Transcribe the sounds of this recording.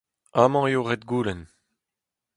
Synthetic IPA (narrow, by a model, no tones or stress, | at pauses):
aːmɑ̃eoʁɛt̪ɡuːlɛn